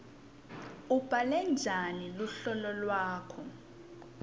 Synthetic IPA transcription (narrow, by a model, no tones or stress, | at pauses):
ub̥ʱalɛnd͡ʒʱaniluɬɔlɔlwaːkʰɔ